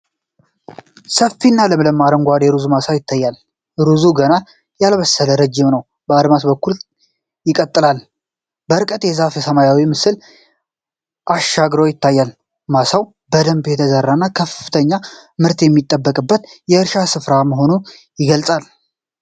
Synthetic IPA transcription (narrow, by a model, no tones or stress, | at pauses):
səfːinːaləmɨləmaɾəŋɡʷad̪eɾuzumasawjɪt̪ʰːajːal | ɾuzuɡəna | jalβəsːələɾəd͡ʒːɪmnəw | bəad̪mat̪bəkːul | jɪkʼət̪ʼːɨlal | bəɨɾkʼət̪jɛzafjɛsəmajawimɨsɨl | ʔaʃaɡɾojɪt̪ʰːajːal | masaw | bəd̪əmbjɛt̪ʰəzərːanːakʰəfɨ̥t̪ʰəɲːamɨɾt̪jɛmːit̪ʼːəbːəkʼɨbːət̪jɛɨɾʃasɨfɾaməɦo̞nu | jɪɡəlsʼal